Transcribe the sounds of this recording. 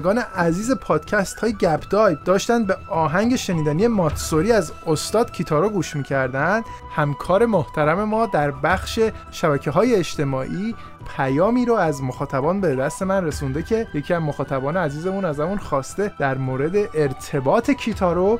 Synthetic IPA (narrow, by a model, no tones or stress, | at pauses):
ɡɒːne̞ʔæziːze̞pʰɒːd̪̥cʰæst̪hɒːjeɟæbd̪̥ɒːjd̪ɒːʃt̪ænd̪̚be̞ɒːɦæŋɟe̞ʃe̞niːd̪ænije̞mɒːt̪ʰsoɾiːæz | ost̪ɒːd̪̥cʰit̪ʰɒːɾoɡuːʃmiːcʰæɾd̪ænd̪̥ | hæmkʰɒːɾe̞moht̪ʰæɾæme̞mɒːd̪æɾbæxʃe̞ | ʃæbæcʰeɦɒːje̞ːʃt̪e̞mɒːʔiː | pʰæjɒːmiːɾoæzmoxɒːt̪ʰæbɒːnbe̞d̪æst̪e̞mænre̞sund̪e̞cʰe̞jecʰiːæzmoxɒːt̪ʰæbɒːneæziːzemunæzhæmunxɒːst̪e̞d̪̥æɾmoːɾe̞d̪e̞ʔeɾt̪ʰe̞bɒːt̪ʰe̞cʰit̪ʰɒːɾo